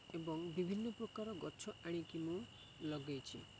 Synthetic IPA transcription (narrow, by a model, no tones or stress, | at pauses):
ebɔŋbibʱinːɔpɾɔkaɾɔɡɔt͡ʃʰɔʔaɽ̃ikimũ | lɔɡɔjt͡ʃʰḭ